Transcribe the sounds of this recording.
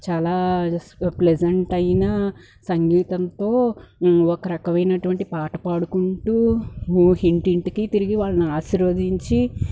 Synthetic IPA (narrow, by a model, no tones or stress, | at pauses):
t͡ʃaːlaː | pled͡ʒɐɳʈɐjnɐ | sɐŋɡiːt̪ɐnt̪o̞ː | ɔkɐɾɐkɐmɐjnɐʈuʋɐɳʈipaːʈɐpaːɽukuɳʈu | ɦiɳʈiɳʈkit̪iɾiɡiʋaːɭːɐniaːʃiɾoːd̪iɲt͡ʃi